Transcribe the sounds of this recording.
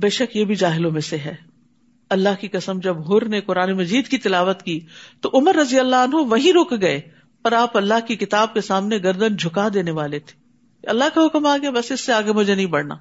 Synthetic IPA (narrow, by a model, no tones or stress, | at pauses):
beːʃəkjebʱid͡ʒaːɦɪlõmẽseɦɛː | ɐlːaɦkikɐsəmd͡ʒɐbɦʊɾnekʊɾaːnemɐd͡ʒiːd̪kit̪ɪlaːʋət̪kiːt̪oʔʊməɾːɐzijəlːaɐnɦoʋɐɦĩɾʊːkɡɐe | pɐɾaːpɐlːaɦkikɪt̪aːb̚kesaːmneɡɐɾd̪ənd͡ʒʱʊkad̪eːneʋaːlet̪ʰe̥ | ɐlːaɦkaɦʊkmaːɡjabɐsɪsːeaːɡemɐd͡ʒenɐɦĩbɐɽna̰ː